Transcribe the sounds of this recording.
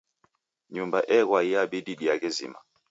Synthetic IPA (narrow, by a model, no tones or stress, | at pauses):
ɲumbaʔɛkwaiaɓiɗiɗiakɛzḭma